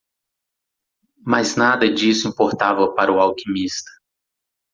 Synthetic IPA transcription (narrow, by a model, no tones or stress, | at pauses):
maznad̪ɐd͡ʒisʊĩpoɾt̪avɐpaɾʊawkĩmist̪ɐ̥